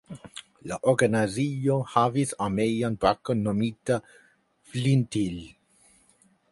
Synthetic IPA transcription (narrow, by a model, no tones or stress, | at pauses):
laʔoɡanaziohavisamejanpakonomit̪a | flint̪il